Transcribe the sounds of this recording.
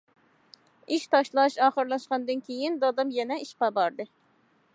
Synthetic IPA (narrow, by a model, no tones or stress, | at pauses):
iʃt̪ʰɑʃlˠɑʃɑːχəɾlˠɑʃqɑnd̪ɨnkʲʰejind̪ɑd̪ɑmjɛnɛiʃpɑbɑɾd̪ɨ